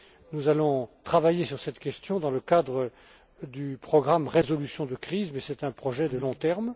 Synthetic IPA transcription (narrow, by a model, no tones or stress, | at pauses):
nuzalɔ̃t̪χavajesyʁsɛt̪kʲɛst̪jɔ̃d̪ɑ̃ləkad̪ʁə | d̪ypχɔɡʁamʁezɔlysjɔ̃d̪əkχizmɛsɛt̪ɛ̃pχɔʒɛd̪əlɔ̃t̪ɛʁm